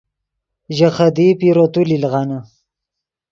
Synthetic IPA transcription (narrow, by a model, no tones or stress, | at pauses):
ʒaχad̪ipiɾot̪ulilʁana